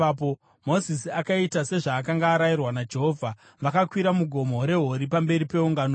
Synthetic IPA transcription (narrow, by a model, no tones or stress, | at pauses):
po | mo̞zisiakaitase̞ʐaːkaŋɡaːɾajirwanad͡ʒe̞ɦo̞vʱa | ʋakakwiɾamuɡʱo̞moɾe̞ɦo̞ɾipambe̞ɾipe̞uŋɡano